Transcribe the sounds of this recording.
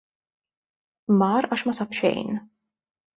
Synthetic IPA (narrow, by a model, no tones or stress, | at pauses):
mɐːɾɐːʃmɐsɐpʃɛ̰jn